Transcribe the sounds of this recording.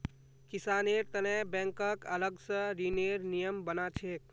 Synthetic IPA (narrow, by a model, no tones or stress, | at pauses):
kisaneɾt̪ənebɛ̃ŋkəkələɡsə̃ɾineɾnijəmbənat͡ʃʰek̚